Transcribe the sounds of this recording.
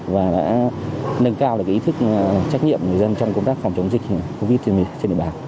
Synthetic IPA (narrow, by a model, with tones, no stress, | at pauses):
vaː˨˩ɗa̰ː˧˥nə˧ŋkaː˧wɗkːi˨˦ɨ˦˥k̚t͡ɕa˦˥jk̚ɲḭ˧˨əmŋɨ˨˩əjzə˧nt͡ɕɔ˧wŋ͡mkə˧wŋ͡mt̪aː˦˥kfɔ˨˩wŋ͡mt͡ɕə˨˦wŋ͡mzï˨˩k̚ko˧vi˦˥t̚t͡ɕt͡ɕe˧nɗḭ˨˧˨ɓaː˨˩n